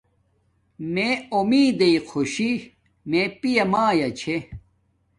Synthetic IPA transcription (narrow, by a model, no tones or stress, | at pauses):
meomiːd̪eiqʰoɕi | mẽpijɐmaːjɐt͡ɕʰe